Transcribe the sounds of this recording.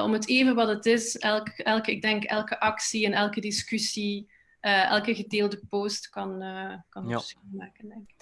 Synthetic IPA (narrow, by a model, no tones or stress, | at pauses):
ɔmɦəteːvənʋɑtətɪsɛlˠkɛlˠkɪɡ̚dɛŋkɛlˠkəʔɑksiɛnɛlˠkədiskysi | ʔəːɛ̰lˠkəɣədeːlˠdəpoːstkɑnəkɑnsmaːkəndɛŋkɪk